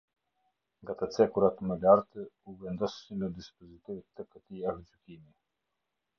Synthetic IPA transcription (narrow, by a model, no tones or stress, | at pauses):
ŋɡat̪ət͡sɛkuɾat̪əməlaɾt̪əuvɛnd̪ɔsːiməd̪ispɔzit̪ivət̪ːəkət̪iaɦəd͡ʒykimi